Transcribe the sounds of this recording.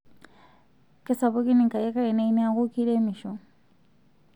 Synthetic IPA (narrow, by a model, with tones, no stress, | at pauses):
ke˦sa˨βo˦ki˦ni˨ŋka˨je˦ka˦i˨ne˦i˦ni˦a˦ɣuki˦ɾe˦mi˨ʃɔ˨